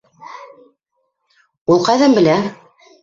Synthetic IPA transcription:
ulˠqɑjðæmbɘ̆læ

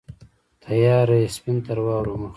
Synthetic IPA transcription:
t̪ʰajaːɾespint̪aɾwaːwɾumax

